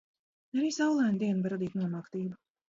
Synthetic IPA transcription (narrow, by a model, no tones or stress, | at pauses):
aɾiːsawlˠaːnd̪iɛnbaɾad̪iːt̪nuɔmaːkt̪iːbu